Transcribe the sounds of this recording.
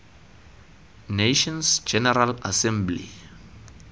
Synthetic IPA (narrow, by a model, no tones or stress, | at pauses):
neʃɔ̃nsd͡ʒɛnɛɾalasɛ̃mblḭ